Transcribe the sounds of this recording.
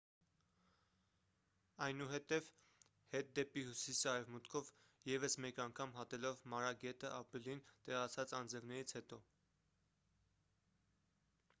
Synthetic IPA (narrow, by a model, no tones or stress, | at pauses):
ɑjnuɦɛt̪ɛv | hɛt̪̚d̪ɛpihusisɑɾɛvmut̪kʰɔv | jɛvəsmɛkɑŋkʰɑmɦɑt̪ɛlɔvmɑɾɑɡɛt̪əʔɑpɾilint̪ɛʁɑt͡sʰɑt͡sɑnd͡zɛvnɛɾit͡sʰhɛt̪ɔ